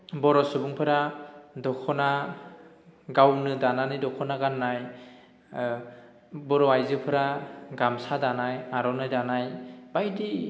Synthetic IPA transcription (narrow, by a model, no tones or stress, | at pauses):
bɔɾɔsubuŋpʰɯɾadɔkʰɔna | ɡawnɯdananɯjdɔkʰɔnaɡanːaj | bɔɾɔajzɯpʰɯɾaɡamsadanajaɾɔnɯjdanajbajdi